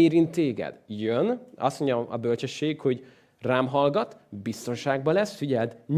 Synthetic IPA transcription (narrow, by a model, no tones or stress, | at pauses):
eːɾint̪ːeːɡɛ̰d̪jønɒ̰st̪moɲɟɒɒ̰bølt͡ʃɛʃːeːkho̞ɟ | raːmɦɒlɡɒt̪bist̪o̞nʃaːɡ̚bɒlɛsfiɟɛld̪n